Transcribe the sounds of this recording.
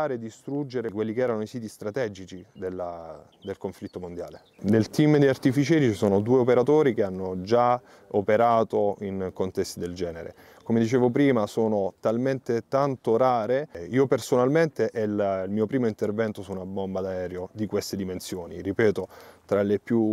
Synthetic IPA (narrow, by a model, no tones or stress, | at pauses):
aːɾed̪ːist̪ɾud͡ʒːeɾekwelːikeɛːɾanoisiːt̪ist̪ɾat̪ɛːd͡ʒit͡ʃid̪elːa | d̪elkoɱflit̪ːomond̪ja̰ːle | nelt̪imd̪iart̪ifit͡ʃɛːɾit͡ʃisoːnod̪uːeopeɾat̪oːɾikeanːod͡ʒa | opeɾaːt̪oinkont̪ɛst̪id̪eld͡ʒɛːneɾḛ | komed̪it͡ʃeːvop̬ɾiːmasoːnot̪alment̪et̪ant̪oɾaːɾeiːopersonalment̪eʔɛllmiːopɾiːmoint̪ervɛnt̪osunabombad̪aɛːɾjod̪ikwest̪ed̪imensjoːniripɛːt̪ot̪ɾalepju